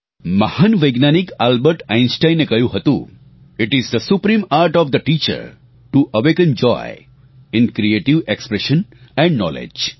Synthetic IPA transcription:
mɐhənʋəjɡnanikalbəɾʈãɪ̃nsʈãɪ̃nːekəjuɦɐt̪ṵ̃ | ɪʈɪzd̪əsupɾĩːmaːɾʈɔːʋd̪əʈiːt͡ʃə̰ɾ | ʈuʔəʋekə̃nd͡ʒɔ̰ɪ | ɪ̃nkɾieːʈiʋekspɾɛʃə̃nɛ̃ɳɖnɔ̰ːlḛd͡ʒ

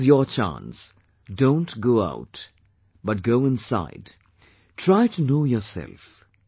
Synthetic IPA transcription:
zjɔt͡ʃã̰ns | dõʊ̃ntɡoʊa̰ʊt | bʌt̚ɡoʊɪ̃nsa̰ɪd | tʰɹaɪtunoʊjɔsɛ̰lf

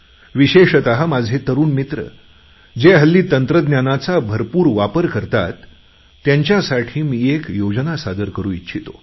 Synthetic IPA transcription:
ʋiɕeʂət̪aɦamad͡zʱet̪əɾuːnmit̪ɾə̰ | d͡ʑeɦəlːiːt̪ənt̪ɾəd̪njanat͡sabʱəɾpuːɾʋapəɾkəɾt̪a̰t̪ː | jaɲt͡ɕjasaʈʰiːmiːekjod͡znasad̪əɾkəɾuːitːɕʰit̪o

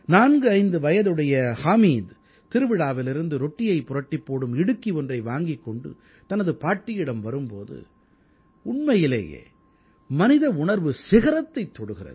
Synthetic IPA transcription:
naːnɡɯɐɪnd̪ɯʋɐjɐðɯɽɐjɐhaːmiːd̪ | t̪ɪɾɯʋɪɽaːʋɪlɪɾɯnd̪ɯɾɔʈːɪjɐɪpʊɾɐʈːɪpːoːɽɯmɪɽɯkːiɔndrɐɪʋaːŋɡɪkːɔɳɖɯ̰ | t̪ɐnɐðɯpaːʈːɪjɪɽɐmʋɐɾɯmpo̰ːðɯ̰ | ʊɳmɐjɪlḛːjḛː | mɐnɪðɐʊɳɐɾʋɯsɪɣɐɾɐt̪ːɐɪt̪ːɔɽɯɣɪrɐ̰ð

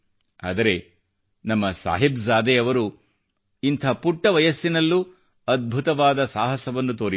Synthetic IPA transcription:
a̰ːd̪ɐɾe̞ | nɐmːɐsa̰ːɦibzaːd̪eɐʋɐɾu | int̪ʰɐpuʈːɐʋɐjɐsːinɐlːu | ɐd̪̚bʱut̪ɐʋaːd̪ɐsaːɦɐsɐʋɐnːut̪oːɾi

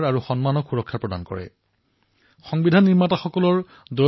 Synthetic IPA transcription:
ɹaɹuxɔnmanɔkxuɹɔkʰːapɹɔda̰nkɔ̰ɹɛ̰ | xɔŋbidʱanːiɹmataxɔkɔlɔɹ | dɔ

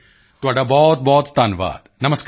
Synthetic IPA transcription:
t̪ʊʋaːɖabɔːt̪̚bɔːt̪sd̪aːnʋa̰ːd̪nɐməsk

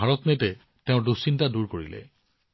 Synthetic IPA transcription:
aɹɔtnetɛ | teʊ̃dusintaduɹkoɹḭlɛ̰

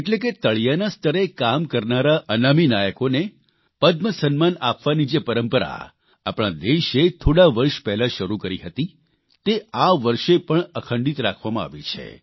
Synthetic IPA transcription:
eʈleket̪əɭjanast̪ʰəɾekamkəɾnaɾaʔənaminajəkone | pəd̪məsənmanapʋanid͡ʒepəɾəmpəɾa̰ | apɽ̃ad̪eʃet̪ʰoɽaʋəɾʃpɛɦlaʃəɾukəɾiɦət̪i | t̪eʔaʋəɾʃepəɳəkʰəɳɖit̪ɾakʰʋamãa̰ʋit͡ʃʰḛ

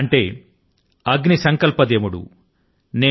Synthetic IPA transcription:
ɐɳʈe̞ː | ɐɡnisɐŋkɐlpɐd̪eːmuɽṵ | neː

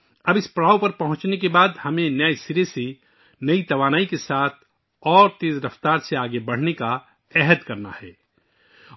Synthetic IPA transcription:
ɐbɪspɽaːwpɐɾpɐɦʊ̃t͡ʃnekebaːd̪hɐmẽnɐesɪɾesi | nɐit̪ɐʋaːnaːikesaːt̪̚ʰ | ɔːɾt̪eːzɾɐft̪aːɾseaːɡebɐɽ̤neka | ɛɦəd̪kɐɾna̰hɛ̰ː

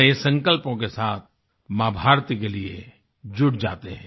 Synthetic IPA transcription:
esɐ̃ŋkəlpõkesaːt̪̚ʰ | maːbʱaːɾt̪ikeliḛ | d͡ʒʊɽd͡ʒa̰ːt̪eɦɛ̃ː

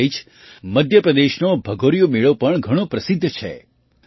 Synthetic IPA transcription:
it͡ʃʰ | məd̪ʱjəpɾəd̪eʃnobʱəɡoɾijomeɭopəɳɡʱəɽ̃õpɾəsid̪ʱːt͡ʃʰḛ

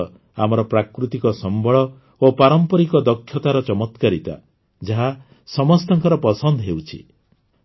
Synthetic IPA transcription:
amɔɾɔpɾakɾut̪ikɔsɔmbʱɔɭɔ | opaɾɔmpɔɾikɔd̪ɔkʰjɔt̪aɾɔt͡ʃɔmɔt̪kaɾit̪a̰ | d͡ʒaɦa | sɔmɔst̪ɔŋkɔɾɔpɔsɔnd̪ɔɦewt͡ʃʰḭ

